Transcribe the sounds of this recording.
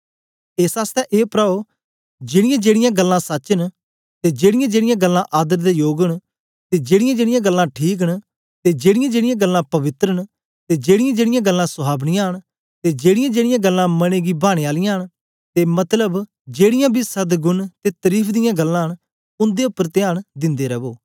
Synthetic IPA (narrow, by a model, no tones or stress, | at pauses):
eːsaːst̪ɛʔeːpɾaːo | d͡ʒeːɽɪjãːd͡ʒeːɽɪjãɡəlːãsətːt͡ʃən | t̪ed͡ʒeːɽɪjãːd͡ʒeːɽɪjãɡəlːãʔaːd̪əɾd̪eːjoːɡəɳ | t̪ed͡ʒeːɽɪjãːd͡ʒeːɽɪjãɡəlːãːʈʰiːk̬əɳ | t̪eːd͡ʒeːɽɪjãd͡ʒeːɽɪjãːɡəlːãːpɐʋɪt̪ɾəɳ | t̪eːd͡ʒeːɽɪjãd͡ʒeːɽɪjãːɡəlːãːsʊɦaːbnĩjãːɦəɳ̃ | t̪ed͡ʒeːɽɪjãːd͡ʒeːɽɪjãːɡəlːãːmɐneːɡiːbʱaːɽ̃eaːlɪjãːɦəɳ | t̪eːmɐt̪ləb | d͡ʒeːɽɪjãːbʱisəd̪ɡʊnt̪et̪əɾiːpʰd̪ɪjãːɡəlːãːɦəɳ | ʊ̃nd̪eʊpːəɾt̪ɪaːɽ̃d̪ɪ̃nd̪eːɾəboː